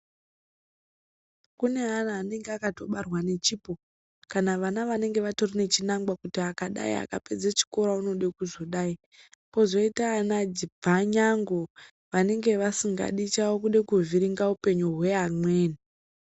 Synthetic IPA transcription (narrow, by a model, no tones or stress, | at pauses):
kune̞ɦanaːne̞ŋɡeakato̞ɓarwane̞t͡ʃiːpo̞ | kanaʋanaʋane̞ŋɡe̞ʋato̞rine̞t͡ʃinaŋɡwakutiakaɗa̰ḭa̰ka̰pe̞d͡zet͡ʃi̥ko̞ɾauno̞ɗekuzo̞ɗai | po̞zo̞itaːnad͡zibʱaɲaŋɡo | ʋane̞ŋɡe̞ʋasiŋɡa̰ɗit͡ʃaokuɗekuviɾiŋɡaupe̞ɲuɦwe̞amwe̞ːni